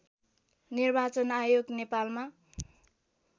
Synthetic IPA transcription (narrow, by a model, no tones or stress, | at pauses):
nirbat͡sʌnajoɡnepalma